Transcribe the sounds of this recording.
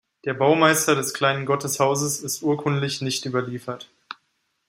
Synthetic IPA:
d̥eːɐbaʊmaɪstɐɾɛskl̥aɪnənɡɔtəshaʊzəsɪstʔuːɐkʰʊntlɪçnɪçtʔyːbɐliːfɐt

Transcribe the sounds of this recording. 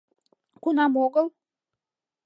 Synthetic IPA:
kunamoɡəlˠ

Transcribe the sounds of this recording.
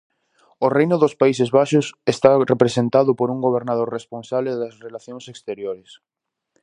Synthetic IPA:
orejnoðospais̬ezβaʃosest̪arepɾesent̪aðopoɾuŋɡoβ̞eɾnaðoɾresponsaβleðasrelaθjõŋsekst̪eɾjoɾes

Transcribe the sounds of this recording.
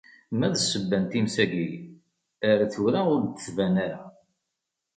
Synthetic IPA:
mæðəsəbːænt̪imsæɡij | əɾæθuɾaʊɾd̪əθvænaɾa

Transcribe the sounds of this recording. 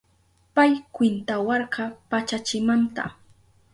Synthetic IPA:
pajkwɪnt̪awɑɾɢɑpat͡ʃat͡ʃɪmant̪a̰

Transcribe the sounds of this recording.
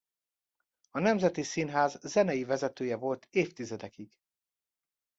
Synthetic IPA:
ɒnɛmzɛt̪isinɦaːzzɛnɛjivɛzɛt̪øːjɛvo̞lt̪ʰeːft̪izɛd̪ɛkiɡ̥

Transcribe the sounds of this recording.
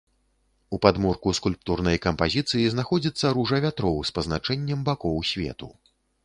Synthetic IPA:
upad̪murkuskulʲpt̪urnɐjkɐmpazʲit̪sɨjiznaxɔd͡zʲit̪sːɐɾuʐɐvʲat̪ɾɔwspɐznat͡ʂɛnʲːɛmbakɔwsʲvʲɛ̰t̪u

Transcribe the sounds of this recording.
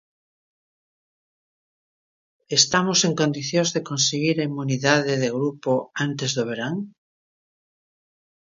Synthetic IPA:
est̪amoseŋkõnd̪iθjõzðekõnseɣiɾaimuniðaðeðeɣɾupoant̪ezðoβ̞eɾaŋ

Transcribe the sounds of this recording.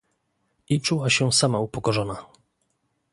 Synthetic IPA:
it͡ʂuwaɕɛsamaupɔkɔʐɔna

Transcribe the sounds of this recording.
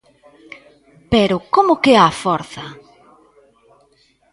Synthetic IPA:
peɾʊkomʊkeafɔɾθɐ

